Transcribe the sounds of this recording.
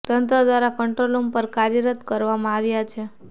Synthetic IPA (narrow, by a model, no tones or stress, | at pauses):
t̪ənt̪ɾəd̪ʋaɾakəɳʈɾolompəɾkaɾjəɾət̪kəɾʋamãaʋjat͡ʃʰe